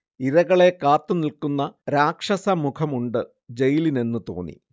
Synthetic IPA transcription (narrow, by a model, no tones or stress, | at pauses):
iɾɐɣɐɭe̞kaːt̪ːunilkunːɐɾaːkʂɐsɐmukʰɐmuɳɖɨ | d͡ʑejline̞nːɨt̪o̰ːnːḭ